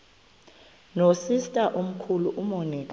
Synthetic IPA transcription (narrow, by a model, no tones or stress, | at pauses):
nosistʼaʔom̩kʰuluʔumoniːkʼa